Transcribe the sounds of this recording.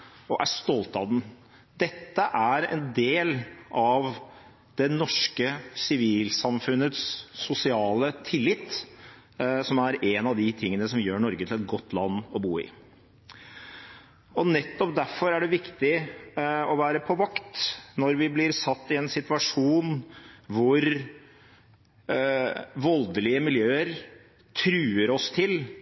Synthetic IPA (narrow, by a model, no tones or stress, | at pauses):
ɔʔæ̰ʂt̪ɔlt̪ɑd̪n̩ | d̪ɛt̪ːəʔæɾɛ̰nd̪eːlʔɑʋ | d̪̥ɛnɔʂkəsɪʋiːlsɑmfʉnːət̪sːʊsɪɑːlət̪ʰɪlːɪt̪ː | sɔmæɾɛnɑʋd̪ɪt̪ʰɪŋːənəsɔmjøːɳɔɾɡət̪ʰɪlɛt̪̚ɡɔt̪ːlɑnːɔbuːɪ̰ | ɔnɛt̪ːɔpd̪æfɔɾæɖɛʋɪkt̪ɪ | ɔʋæːɾəpʰɔʋɑkt̪nɔɾʋɪblɪɾsɑt̪ːɪɛnsɪt̪ʋɑʂuːnʋʊɾ | ʋɔld̪əlɪəmɪljøːəɾ | t̪ʰɾʉːəɾɔst̪ʰɪl